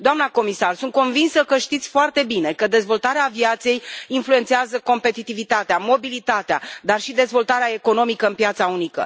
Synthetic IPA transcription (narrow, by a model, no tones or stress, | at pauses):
d̪oamnako̞misarsunt̪̚ko̞nvinsəkəʃt̪it̪sʲfoart̪e̞bine̞kəd̪e̞zvo̞lt̪aɾeaːviat̪se̞jinflue̞nt̪seazəko̞mpe̞t̪it̪ivit̪at̪eamo̞bilit̪at̪ea̰d̪arʃid̪e̞zvo̞lt̪aɾeae̞ko̞no̞mikəɨnpjat̪saunikə̰